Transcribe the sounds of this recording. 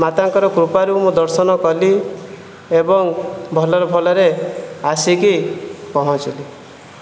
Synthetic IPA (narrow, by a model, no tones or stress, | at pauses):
mat̪aŋkɔɾɔkɾupaɾumũd̪ɔɾsɔnɔkɔli | ebɔŋbʱɔlɔɾɔbʱɔlɔɾeasikikɔɦɔ̃t͡ʃili